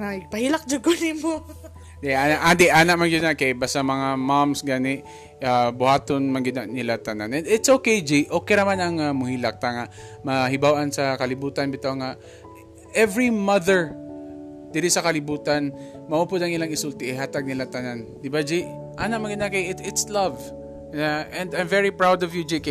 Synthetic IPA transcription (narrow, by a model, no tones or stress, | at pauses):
aɪɡ̚pɐhilak̚d͡ʒʊɡɡonɪmo | d̪ɛʔaːnaʔad̪ɛʔaːnaʔmand͡ʒɪd̪nakajbast̪amɐŋamamsɡaːnɪʔ | abʊhaːt̪onmanɡɪd̪anɪlat̪ɐnanʔɛnd̪ɪt̪sʔokejd͡ʒɛʔokɛnɐmanɐŋamʊhilak̚t̪aŋa | mɐhɪbawʔansɐkɐlɪbuːt̪anbɪt̪oŋaʔ | ʔɛvɹimɐðəɹ | d̪̥ɪɾɪsɐkɐlɪbuːt̪anmɐʔuːpod̪ɐŋɪlaŋɪsult̪ɪʔɪhaːt̪aɡ̚nɪlat̪ɐnand̪ɪbad͡ʒiʔ | ʔaːnaʔmaŋɡɪd̪nakajɪtɪt̪slɐv | aʔɛ̃nd̪ajmvɛɹipɹawd̪ɔvjud͡ʒika